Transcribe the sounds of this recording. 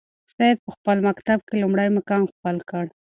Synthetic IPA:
sɑjd̪̚pəxpəlmakt̪ab̚kelumɽajmakɑnxpəlkəɽ

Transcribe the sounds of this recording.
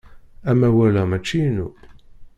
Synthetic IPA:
æmæwælæmæt͡ʃːijnu

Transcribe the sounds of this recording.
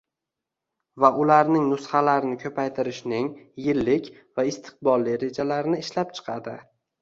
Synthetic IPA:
vaʔʊlaɾnɪŋnʊsχalaɾɪnɪkʲʰɵpʰajt̪ʰɪɾɪʃnɪŋjɪlːɪkʲ | vaɪst̪ʰɨ̥q̚bɒlˠːɪɾe̞d͡ʒalaɾnɪɪʃlap̚t͡ʃʰɨ̥qʰɑd̪ɪ

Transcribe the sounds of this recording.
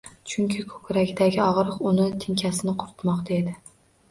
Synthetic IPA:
t͡ʃʰʊŋkʲʰɪkʰɵ̥kʲɾaɡʲd̪aɡʲɪɒʁɾɨqʊnɪt̪ʰɪŋkʲʰasɪnɪqʰʊɾt̪mɒqd̪ʰaed̪ɪ

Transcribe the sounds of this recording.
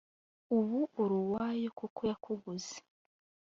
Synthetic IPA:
uβuʔoɾuwaːjekukojakʰuɡuze̥

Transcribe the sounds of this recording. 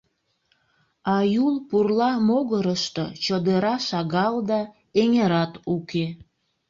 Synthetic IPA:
ɑjulpurlɑmoɣəɾəʃt̪o̰t͡ɕəd̪eɾɑʃɑɣɑld̪ɑ | eŋeɾɑt̪uke

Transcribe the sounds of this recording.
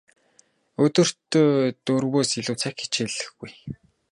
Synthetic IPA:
ɵt̪ɵ̆r̥t̪oːt̪ɵrwoːsiɮuːt͡sʰakxi̥t͡ɕeɮɘ̆xɡuj

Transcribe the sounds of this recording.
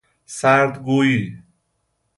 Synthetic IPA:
saɾd̪ɡoji

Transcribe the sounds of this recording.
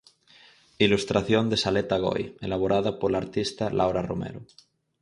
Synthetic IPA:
ilust̪ɾaθjond̪esalet̪aɣ̞o̰jḛlaβ̞oɾʔaðapoɾlaɾt̪ist̪alʔawɾaromḛɾo

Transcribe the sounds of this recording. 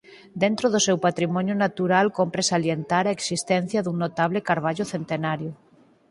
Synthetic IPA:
d̪ent̪ɾoðosewpat̪ɾimɔnjonat̪uɾalkompɾesaljent̪aɾaeksist̪ɛn̟θjaðuŋnot̪aβlekaɾβ̞aʎoθent̪enaɾjo

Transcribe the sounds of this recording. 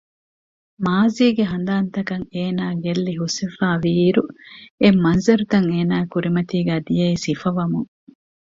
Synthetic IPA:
maːziːɡeɦɐnd̪aːnt̪ɐkɐŋeːnaːɡelːiɦusifaːʋiːɾuemːɐnzɐɾut̪ɐŋeːnaːkuɾimɐt̪iːɡæːd̪ijɐisifɐʋɐmuŋ

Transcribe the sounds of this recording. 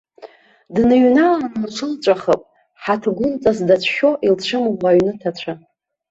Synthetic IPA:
dnɨɥnalanmt͡ʃʷʰɨlt͡ʃʷʼaχəpʼ | ħatʰɡʷʊnt͡sʼazdat͡ʃʷʰʃʲoʔilt͡ɕʷʰɨmʁʷaɥnɨtʰat͡ɕʷʰa

